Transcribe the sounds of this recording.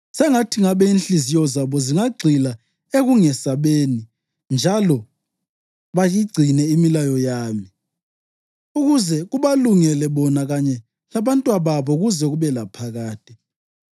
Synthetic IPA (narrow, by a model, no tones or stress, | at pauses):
sɛŋatʰiŋaβɛinɬizijɔzaβɔziŋaɡ͡ǀʱila | eɣuŋɛsaβeːni | nd͡ʒʱalɔ | βajiɡ͡ǀʱinɛimilajɔjaːmi | uɣuzɛɣuβaluŋɛlɛβɔnaɣaɲɛ | laβantʼwaβaβɔɣuzɛɣuβɛlapʰaɣaːtʼi